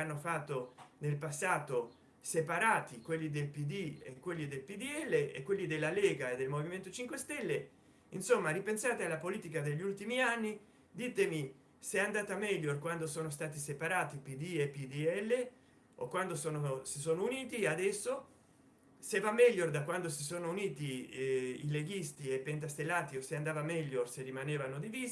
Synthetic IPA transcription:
anːofat̪ːonelpasːaːt̪o | sepaɾaːt̪ikwelːid̪elpid̪iḛkwelːid̪elpid̪iɛlːeḛkwelːid̪elːaleːɡaed̪ːelmoviment̪ot͡ʃiŋkwest̪ɛlːe | insomːaɾipensaːt̪ealːapoliːt̪ikad̪eʎːiult̪imianːi | d̪it̪emi | seɛand̪aːt̪amɛʎːorkwand̪osoːnost̪aːt̪isepaɾaːt̪ipid̪iepːid̪iɛlːe | okwand̪osoːnosisoːnouniːt̪iad̪ɛsːo | sevamːɛʎːord̪akwand̪osisoːnouniːt̪i | ḭleɡist̪iepent̪̬ast̪elːaːt̪ioseand̪aːvamɛʎːorserːimaneːvanod̪iviːz

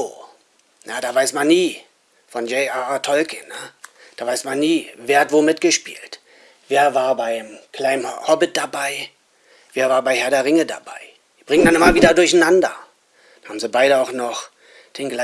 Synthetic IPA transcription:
oː | njaːd̥aːvaɪsmanːiː | fɔnjɛatʰɔlkʰənə | d̥aːvaɪsmanːiːveːɐhatv̥oːmɪt̚ɡ̥əʃpḭːlt | v̥eːɐvaːɐbaɪmkʰl̥aɪmhɔbɪt̚d̥abaɪ | v̥eːɐvaːɐbaɪhɛɐdɐʁɪŋəda̰ba̰ɪ̥ | iːb̥ʁɪŋəndanʔɪmɐviːdɐdʊɐçn̩nandɐ | d̥ahaːmzibaɪɾəaʊxnɔχ | d̥eːnɡla

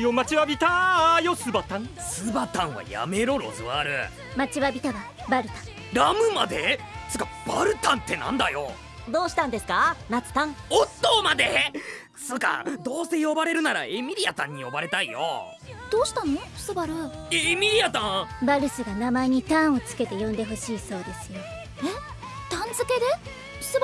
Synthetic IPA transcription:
jomat͡ɕiβabʲit̪ajosɨbat̪ãŋsɨbat̪ãɰ̃βa̰ja̰me̞ɾoɾo̞̰zɨβaːɾɯ̟̰ | mat͡ɕiβabʲit̪aβa | baɾɯ̟t̪ḁ̃ŋ | ɾamɯ̟mad̪e̞ | sɨkab̥aɾɯ̟t̪ãnt̪ːe̞nã̰nd̪ajo̞̰ | d̪o̞ːɕi̥t̪ãnd̪e̞sɨ̥kanat͡sɨ̥t̪ãŋot̪ːoːmad̪e | sɨka̰d̪o̞ːse̞jo̞baɾe̞ɾɯ̟naɾaemʲiɾʲiat̪ã̰ɲ̟ːijo̞̰baɾe̞t̪aijo̰ | d̪̥o̞ːɕi̥t̪anoɸsɨbaɾɯ̟emʲiɾʲiat̪ãbaɾɯ̟sɨɡanamaeɲ̟it̪ãɰ̃o̞t͡sɨ̥ke̞t̪e̞jõ̞nd̪e̞ɦo̞ɕiːso̞ːd̪e̞sɨjo̞ | e | t̪ãnd͡zɨke̞d̪e̞̥ | sɨb

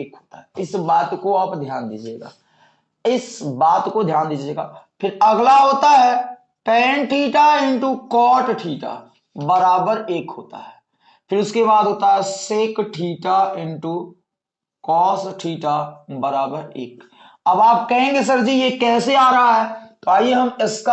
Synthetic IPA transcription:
eːkɦoːt̪aɦɛɪsbaːt̪koaːpd̪ʱjaːnd̪iːd͡ʒḛːɡa̰ː | ɪsbaːt̪kod̪ʱjaːnd̪iːd͡ʒeːɡa̰ːpʰɪɾɐɡlaɦoːt̪aɦɛː | pɛːnʈʰiːʈaɪ̃ɳʈukɔːʈʈʰiːʈa̰ | bəɾaːbəɾeːkɦoːt̪a̰ɦɛː | pʰɪɾʊskebaːd̪ɦoːt̪aɦɛseːkʈʰiːʈaɪ̃ɳʈu | kɔːsʈʰiːʈabəɾaːbəɾḛːk | ɐbaːp̚kɐɦẽːŋɡes̬ɐɾd͡ʒijekɛːseaːɾɐɦaɦɛːt̪oaːiɦɐmɪska

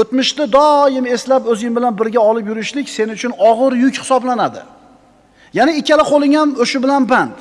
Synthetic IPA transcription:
ɵt̪mɪʃt̪ɪd̪ɒjɪme̞slapɵzɪŋbɪlanbɪɾɡʲaɒlɪpjʊɾɪʃlɪkʲse̞nɪʊt͡ʃʰʊnɒʁɨɾjʊkʲhɪ̥sɒblanad̪ɪ̰ | janɪɪkʲːalɪqʰolˠɪŋamoʃɪbɪlanbant̪

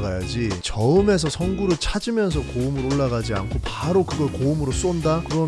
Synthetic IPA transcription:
ɡajad͡ʑit͡ɕʌɯme̞sʰʌsʰʌnɡuɾɯɭt͡ɕʰad͡ʑimjʌns̬ʰʌkoumɯɾoɭːaɡad͡ʑia̰nkʰopaɾokɯɡʌɭkoumɯɾos͈ondakɯɾʌ

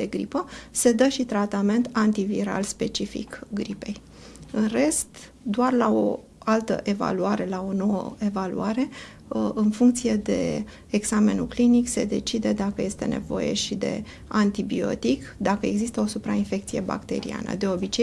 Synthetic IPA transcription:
d̪e̞ɡɾipəse̞d̪əʃit̪ɾat̪ame̞nt̪ant̪ivḭɾa̰lspe̞t͡ʃifḭkɡɾipe̞j | ɨnre̞st̪ | d̪oarlao̰ | alt̪ə̰ʔe̞va̰luaɾe̞lao̞no̞wə̰e̞valṵaɾe̞ | ɨnfuŋkt̪sije̞d̪e̞̰ | eɡz̥ame̞̰nuklinikse̞d̪e̞t͡ʃid̪e̞d̪akəje̞st̪e̞̰ne̞̰vo̞̰je̞̰ʃid̪e̞̰ | ant̪ibio̞̰t̪ikd̪akəe̞ɡzist̪əo̞supɾainfe̞k̚t̪sije̞ba̰kt̪e̞̰ɾḭa̰nə̰d̪e̞o̞bit͡ʃe

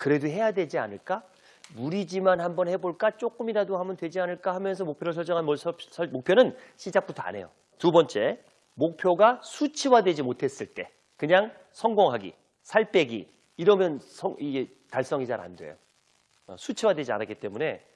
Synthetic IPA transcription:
kɯɾe̞doɦe̞jadwed͡ʑia̰nɯɭk͈a | muɾid͡ʑimanhambʌnhe̞boɭk͈at͡ɕ͈ok͈ɯmiɾadohamʌndwe̞d͡ʑianɯɭk͈ahamjʌns̬ʰʌmok̚pʰjʌɾɯɭs̬ʰʌɭt͡ɕ͈ʌŋɦanmʌsʰʌsʌmok̚pʰjʌnɯnɕʰid͡ʑak̚p͈utʰoa̰ne̞jo̰ | tubʌnt͡ɕ͈e̞ | mok̚pʰjoɡasʰut͡ɕʰiwadwe̞d͡ʑimotʰe̞s͈ɯɭt͈e̞ | kɯɲaŋ | sʰʌŋɡoŋɦaɡḭ | sʰaɭp͈e̞ɡḭː | ɾʌmjʌnsʰʌŋiɡe | taɭs͈ʌŋid͡ʑaɾa̰ndwḛjo̰ | a̰sʰut͡ɕʰiwadwe̞d͡ʑia̰nak͈it͈e̞mune̞

